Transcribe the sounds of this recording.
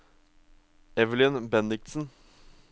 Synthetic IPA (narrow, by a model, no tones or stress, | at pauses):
ɛʋəlɪnbɛnɪksn̩